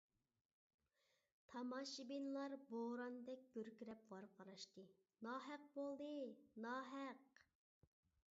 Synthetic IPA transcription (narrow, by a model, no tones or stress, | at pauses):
t̪ʰɑmɑʃibinlˠɑɾboɾɑnd̪ɛk̚ʲɡ̥ʲøɾkʲiɾɛp̚ʁɑɾqʰɑɾɑʃt̪ɨ | nɑːɦæq̚bolˠd̪ɨnɑːɦæq